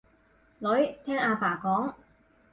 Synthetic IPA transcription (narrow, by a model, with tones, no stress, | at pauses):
lɵ˨˥ɥt̪ʰɛː˥ŋaː˧faː˨˩kɔː˨˥ŋ